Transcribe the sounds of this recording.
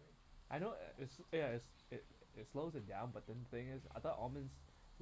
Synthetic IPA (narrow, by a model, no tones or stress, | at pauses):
ʔaɪno̰ɪtsjaɪts | ɪt | ɪtsloʊzɨ̃n̚dãʊ̃nbʌt̚dɛ̃nəθɪ̃ŋɪsa̰d̪əʔɔmɛ̃ns